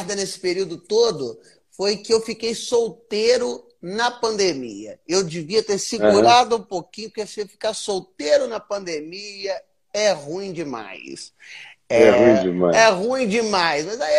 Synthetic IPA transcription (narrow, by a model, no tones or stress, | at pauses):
d̪ɐnesɪ̥peɾiwd̪ʊt̪od̪ʊ | fojkɪewfikejsowt̪eɾʊ | nɐpɐ̃nd̪emḭɐ̰ewd͡ʒɪviɐt̪eɾsiɡuɾad̪ʊũpokĩɲʊpʊɾkesĩewfi̥kaɾsowt̪eɾʊnɐpɐ̃nd̪emiɐ | ɛhũĩd͡ʒɪma̰js | ɛɛɛũd͡ʒɪma̰ɛɦũĩd͡ʒɪmajsmɐzai